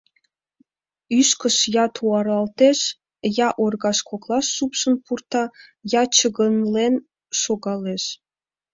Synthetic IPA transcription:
yʃkə̆ʃjɑt̪ʰuɑrɑlt̪eʃ | jɑʔorɡɑʃkʰoklˠɑʃːupʃə̆npurt̪ɑjɑt͡ɕə̆ɡə̆nlen | ʃoɡɑleʃ

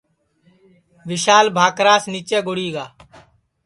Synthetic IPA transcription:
ʋɪʃaːlbʱaːkɾaːsniːt͡ʃeːɡʊɽiːɡaː

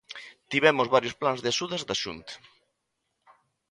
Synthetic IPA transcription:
t̪iβɛmʊzβaɾjosplanzðeaʃuðɐzðaʃṵnt̪ɐ̥

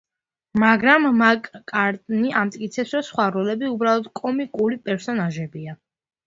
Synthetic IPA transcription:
maɡɾamːakʼkʼaɾt̪ʼniʔamt̪ʼkʼit̪sʰɛpsɾɔsχwaɾɔlɛbiubɾalˠɔd̪̥kʼɔmikʼuɾipʼɛɾsɔnaʒɛbia

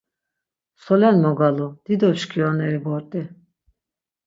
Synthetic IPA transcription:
sɔlɛnmɔɡalud̪̥id̪ɔʃkʰiɔnɛɾibɔɾt̪ʼi

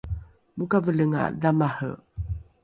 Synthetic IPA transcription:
mukavələŋa̰damahə̰

